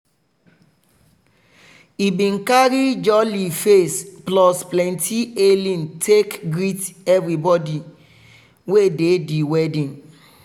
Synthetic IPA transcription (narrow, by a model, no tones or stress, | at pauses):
ibĩnkaɹid͡ʒɔlifesplɔsplɛ̃ntʰielĩntʰekɡɹitɛvɹibɔdi | wedediwɛdĩn